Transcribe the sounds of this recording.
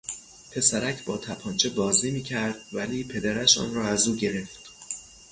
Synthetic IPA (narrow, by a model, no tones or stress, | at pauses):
pʰe̞sæɾæcʰbɒːt̪ʰæpʰɒːnt͡ʃʰe̞bɒːznemiːcʰæɾd̪̥̚væliːpʰe̞d̪æɾæʃɒ̰ːnrɒːæzuːɟe̞ɾe̞ft̪